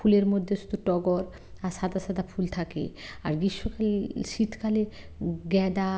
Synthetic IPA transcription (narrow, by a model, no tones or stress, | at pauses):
fʰuleɾmod̪ʱːeʃu̥t̪uʈɔɡɔɾ | aɾʃad̪aʃad̪afʰult̪ʰakḛaɾɡiʃːokalʃit̪ʰkaleɡɛd̪a